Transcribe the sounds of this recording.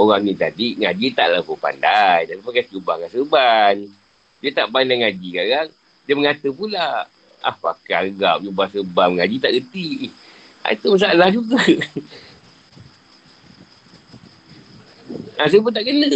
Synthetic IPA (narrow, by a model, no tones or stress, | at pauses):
oɣaŋnit̪adiŋad͡ʒit̪aʔlapupa̰ndajd̪apifakat͡ʃubahŋasəban | diət̪aʔbanlaŋad͡ʒikaɣaŋ | diəməŋat̪əpula | a̰hpakaəɡap̚t͡ʃubahsəbamŋad͡ʒit̪aʔɡət̪i | a̰it̪umas̬alahd͡ʒuɡa | as̬əbant̪aʔɡənə